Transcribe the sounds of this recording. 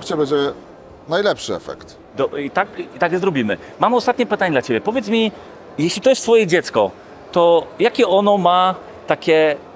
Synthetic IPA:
t͡ɕɛbɛd͡ʑɛ | najlɛpʂɘɛ̰fɛ̰kt̪ | d̪ɔit̪akit̪aɡzɾɔbʲimɘ̰ | mamɔst̪at̪ɲɛpɘt̪aɲɛd̪lat͡ɕebʲjɛpɔvʲjɛt̪smʲi | jɛɕlʲit̪ɔjɛst̪fɔjɛd͡ʑɛt̪skɔ̰ | t̪ɔjakʲɛʔɔnɔma | t̪akʲɛ

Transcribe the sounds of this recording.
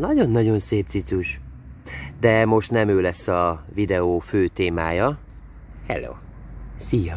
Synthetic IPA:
nɒɟo̞nːɒɟo̞nseːp̪̚sit̪suʃ | d̪ɛmo̞ʃt̪nɛmøːlɛsːɒvid̪ɛoːføːt̪eːmaːjɒ | hɛlo̰ːsijɒ

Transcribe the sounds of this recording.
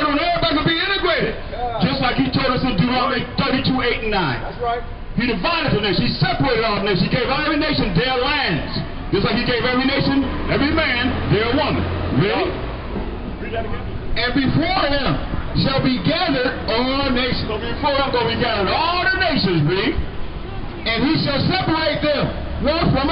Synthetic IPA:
ɾõʊ̃noəbakəbiɪ̃nɨɡɹeɪɾɨd̚ | d͡ʒʌstlaɪkhitʰoʊlˠdʌsɨ̃duaeɪdʰɜ˞ɡitʰueɪtn̩ːãɪ̃n | t | hiɾɨvaɪɾɨd̪̚ə˞neɪʃnhisɛpə˞eɪɾɨɾɔlˠðəneɪʃnhiɡeɪvɛðvineɪʃɨ̃nðə˞læ̃ndz̥ | d͡ʒ̥ʌst̬laɪkhiɡeɪvɛvɹineɪʃɨ̃n | ɛvɹimæ̃nðə˞wʌ̃nɹi | ɨ̃nbɨfɔɹɪ̃mʃəlˠbiɡæðə˞ɾəəneɪʃɨ̃nbfɔɹɨ̃mɡoʊbiɡæðə˞ɾɔlˠðəneɪʃɨ̃nzɹi | ɨ̃niʃəlˠsɛpə˞eɪt̪̚ðɨ̃m | wʌ̃nfɹʌ̃m

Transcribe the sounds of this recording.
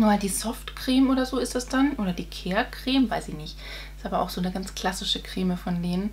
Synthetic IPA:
nuːmaːldiːzɔftkʁ̥eːmoːɾɐzoːɪstd̥asd̥anʔoːɾɐdiːkʰɛːɐkʁ̥eːmvaɪsɪçnɪçt | stʔaːbɐʔa̰ʊxz̥oːnəɡant͡skl̥asɪʃəkʁ̥eːməfɔndeːnən

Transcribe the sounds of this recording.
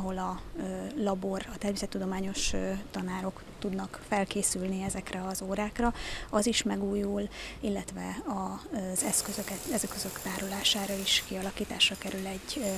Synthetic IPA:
ɦo̞lɒ | lɒbo̞rɒt̪ɛrmeːsɛt̪ːud̪o̞maːɲo̞ʃt̪ɒnaːɾo̞k | t̪ud̪nɒkfɛlkeːsylniɛzɛkrɛɒzoːɾaːkrɒɒziʃmɛɡuːjulilːɛt̪ʋɛ̰ɒzɛskøzøkɛɛzkøzø̞kt̪aːɾulaːʃaːɾɒiʃkiɒlɒkiːt̪a̰ːʃrɒkɛɾylɛɟ

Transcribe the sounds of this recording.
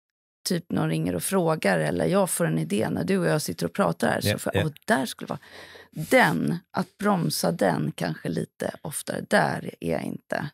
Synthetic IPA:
t̪ʰyːpnnɾɪŋːəɾɔfɾoːɡaɾɛlːʔə̰ɾjɑːɡfoːɾɛnɪd̪eːnæɖɵɔjɑːsɪt̪ːəɾɔpʰɾɑ̰ːt̪aɾhæ̰ːɾsɔfʔd̪̥æʂkɵləvɑːd̪ɛnʔat̪̚bɾɔmsad̪ɛnkʰanɧəliːt̪ʰə̰ʔɔft̪ʰaɾd̪æɾæɾja̰ɪ̰nt̪ʰə

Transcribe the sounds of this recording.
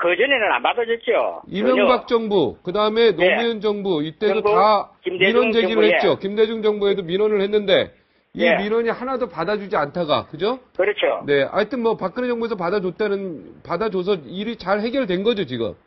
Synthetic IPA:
kɯd͡ʑunenɯna̰nbasʌd͡ʑut͡ɕ͈o̰imjʌŋbak̚t͡ɕ͈ʌŋbukɯdaɯme̞nomiʌnd͡ʑʌŋbuit͈e̞dotakimiɾwʌnd͡ʑe̞ɡiɾɯɭhet͡ɕ͈okimde̞d͡ʑuŋd͡ʑʌŋbue̞dominʌnɯɭhe̞nːɯnde̞̰ | imiɾʌɲihanadopadad͡ʑud͡ʑiantʰaɡa̰kɯd͡ʑokɯɾɯt͡ɕʰone̞a̰t͈ɯnmwʌpak͈ɯned͡ʑʌŋbuesʰʌpadad͡ʑot͈anɯnpadad͡ʑos̬ʰʌiɾit͡ɕaɭhe̞ɡjʌɭdwe̞nɡʌd͡ʑot͡ɕiɡɯ̰m

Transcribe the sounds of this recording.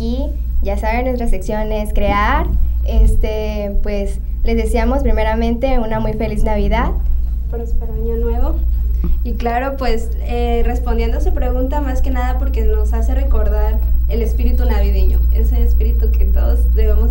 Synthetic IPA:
i | ɟ͡ʝasaβenwest̪ɾasleksjo̞neskɾeaɾest̪e | pwe̞s | le̞zðesiamo̞spɾime̞ɾamẽ̞nt̪e̞unamujfe̞liznaβ̞iðað | poɾespaɾaɲonwe̞βo̞ | iklaɾo̞pwe̞s | ere̞spo̞nd̪je̞nd̪osepɾe̞ɣũnt̪amaske̞naðapo̞ɾke̞no̞sase̞re̞ko̞ɾðaɾelespiɾit̪unaβiðeɲo̰ḛseːspiɾit̪uket̪o̞ðozðeβemo

